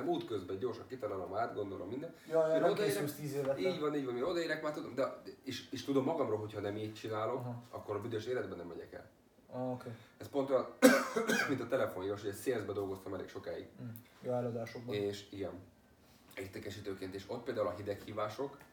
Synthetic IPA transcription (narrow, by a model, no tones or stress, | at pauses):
ɛmuːt̪køzbɛɟɟo̞rʃɒŋkit̪ɒnaːlomaːt̪ɡo̞nd̪o̞lʔo̞mːind̪ɛnjɔjiɾod̪eɛst̪iːzeːvɛiːɟvɒniːɟʋɒniːɾod̪ɒiɾɛkmaːrt̪ud̪o̞̰md̪ɛeːʃeːʃt̪ud̪o̞mːɒɡɒmroːlɦo̞cʰhɒnɛmiːct͡ʃinaːlo̞kɒ̰kːo̞ɾɒbyd̪øʃeːlɛd̪bɛnɛmːɛɟɛkɛ̰l | okeːɛspo̞nt̪oʃn | mint̪ɒt̪ɛlɛfonjiːoʃoɟɛseːlzbɛd̪o̞lɡo̞st̪ɒmɛlḛːkʃo̞kaːḭɡ | joɛlod̪aːʃokbeːʃiɡɛn | et̪ekɛʃiːt̪øːkeːnt̪eːʃo̞t̪̚peːld̪aːulɒɦid̪ɛkhiːvaːʃo̞k